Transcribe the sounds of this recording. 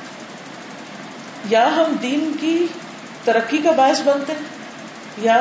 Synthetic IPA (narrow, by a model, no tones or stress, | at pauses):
jaːɦɐmd̪iːnki | t̪ɐɾəkːikabaːɪsbɐ̃nt̪eɦɛ̃ | ja